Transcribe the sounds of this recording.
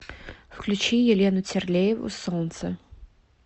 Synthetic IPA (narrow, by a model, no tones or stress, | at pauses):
fklʲʉt͡ɕijɪlʲenʊt͡sʲɪrlʲejɪvʊ̰solnt̪sə